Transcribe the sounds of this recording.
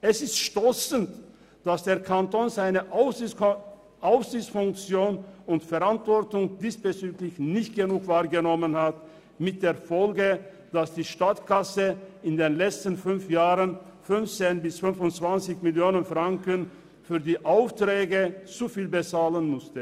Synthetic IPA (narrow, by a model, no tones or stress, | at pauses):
ʔɛsɪstʃtɔsənt | d̥asd̥eːɐkʰantoːnzaɪnəʔ | ʔaʊfz̥ɪçt͡sfʊŋk̚t͡sjoːnʊntfɛɐʁantv̥ɔɐtʊŋd̥iːsb̥ət͡syːklɪçnɪçtɡ̥ənuːkv̥aːɐɡənɔmənhat | mɪt̚d̥eːɐfɔlɡə | d̥asd̥iːʃtatkasəʔɪndeːnlɛt͡stn̩fʏnfjaːʁənfʏnft͡senbɪsfʏnfʊntt͡sv̥ant͡sɪçmɪljoːnənfʁ̥aŋkən | fyːɐdiːʔaʊftʁ̥ɛːɡət͡sufiːlbət͡saːlənmʊstə